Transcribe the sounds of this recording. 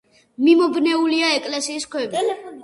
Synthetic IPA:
mimɔbnɛuliaɛkʼlɛsiːskʰwɛvi

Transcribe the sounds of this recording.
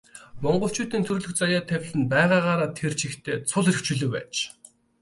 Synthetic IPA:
mɔɴɢɞ̆ɬt͡ɕuːt̪iːnt̪ʰɵɾɵɮɵ̆xt͡sajaːt̪ʰæwʲɮɘ̆npæːʁaːʁaːɾaːt̪ʰert͡ɕʰixt̪ʰeːt͡sʰʊɮeɾɵ̆kt͡ɕʰɵɮɵ̆ːpæ̰ːt͡ɕ

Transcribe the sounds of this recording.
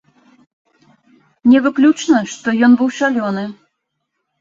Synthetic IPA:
nʲɛvɨklʲut͡ʂnəʂt̪ɔjɔnbɨwʂalʲɔnɨ

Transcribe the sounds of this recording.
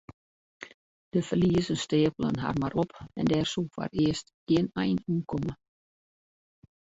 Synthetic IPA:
d̥əfərliəzənsteːəpəlˠə̰nɦa̰rmaɾʔɔpɛ̰ndɛːrsufa̰rɪəstɡɪənɛjnuːnkʰɔmə

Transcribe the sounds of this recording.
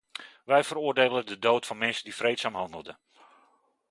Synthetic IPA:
ʋɛjvərʊərdeːlədədoːtfɑnmɛnsəndifrejtsaːmɦɑndəl̩ˠdə

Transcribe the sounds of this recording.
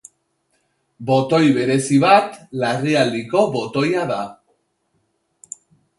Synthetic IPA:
bo̞t̪o̞jβe̞ɾe̞siβat̪lariald̪iko̞βo̞t̪o̞jaða

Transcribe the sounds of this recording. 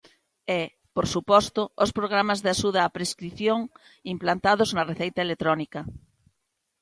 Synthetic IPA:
ɛ | poɾsupɔst̪oospɾoɣ̞ɾamazðeaʃuðaːpɾeskɾiθjoŋ | implant̪að̞oznareθejt̪aelet̪ɾɔnikɐ

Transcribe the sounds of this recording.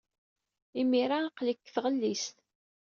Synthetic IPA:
imiɾaqləkːθʁəlːist̪

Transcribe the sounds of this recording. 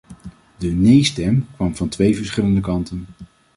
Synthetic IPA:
dənejstɛmkʋɑmvɑntʋejvəɹsχɪləndəkɑntən

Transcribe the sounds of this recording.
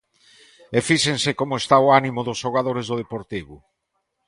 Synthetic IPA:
efiʃensɪkomʊest̪aoanimʊðʊsʃoɣ̞aðoɾezðʊð̞epoɾt̪iβʊ

